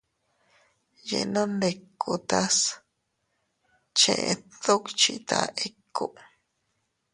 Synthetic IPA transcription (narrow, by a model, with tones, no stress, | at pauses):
jḛ˨no˦nde˨kːu˨t̪a˦s | t͡ʃḛ̃˧˨ʔθo˦kt͡ʃit̪ʰa̰e˦kːu˦ʔ